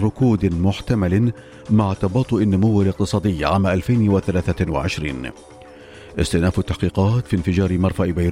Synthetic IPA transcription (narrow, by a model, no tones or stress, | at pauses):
ɾˤʊkuːd̪mʊħt̪amal | maʕt̪ɑbɑːt̪ˤʊʔɪnːʊmʊwːalɪq̚t̪ɨsˤɑːd̪ɪjːaʕaːmaʔalfajnwaθalaːθawa̰ʕɪʃɾiːn | ʔɪst̪ɪʔnaːfat̪ːaħqiːqɑːt̪fiːnfɪd͡ʒɑːɾɪmɑɾˤfaʔbajɾ